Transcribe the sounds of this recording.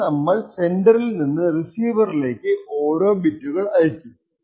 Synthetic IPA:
nɐmːɐɭse̞ɳɖɐrilninːɨrisiːʋɐrile̞ːkːɨʔo̞ːɾo̞ːbitːuɣɐɭɐjɐt͡ɕːu

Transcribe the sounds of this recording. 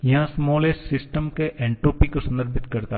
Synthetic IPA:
jɐɦãsmɔːlesɪsʈəmkeʔɛ̃ːɳʈoːpikosɐ̃nd̪əɾbʱɪt̪kɐɾt̪a

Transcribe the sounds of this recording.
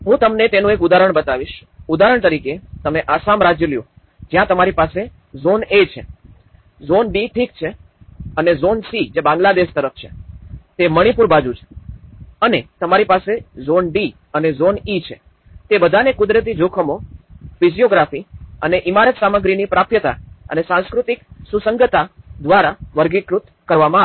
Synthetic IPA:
ɦũt̪əmnet̪enũekʊd̪aɾəɳ̃bət̪aʋiʃ | ud̪aɾəɳ̃t̪əɾiket̪əmeʔasamɾad͡ʒjəljũ | d͡ʒjãt̪əmaɾipase | zonet͡ʃʰḛ | zonɖiʈʰikt͡ʃʰe | ənezonsid͡ʒebãŋɡlad̪eʃt̪əɾəft͡ʃʰḛt̪eməɽ̃ipuɾbad͡ʒut͡ʃʰe̥ | ənet̪əmaɾipasezonɖi | ənezonit͡ʃʰḛ | t̪ebəd̪ʱanekʊd̪ɾət̪̬id͡ʒokʰəmofizijoɡɾafiəneʔimaɾət̪saməɡɾinipɾapʰjət̪a̰ə̰nesãñskɾut̪iksusəŋɡət̪ad̪ʋaɾaʋəɾɡikɾut̪ | kəɾʋamã

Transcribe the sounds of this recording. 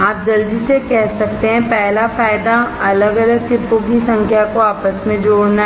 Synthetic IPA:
aːp̚d͡ʒɐld͡ʒisekɛɦsɐkt̪eɦɛ̃pɛɦlafaːɪd̪aɐləɡɐləɡ̚t̪ɪpõkisɐ̃ŋkʰjakoaːpəsmẽd͡ʒoːɽna

